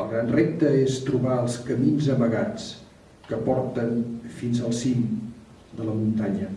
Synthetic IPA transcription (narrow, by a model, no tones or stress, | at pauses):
əlˠɣɾanrep̚t̪əest̪ɾuβaəlˠskəminzəməɣat͡s | kəpɔɾt̪ənfinzəlˠsim | d̪ələmunt̪aɲə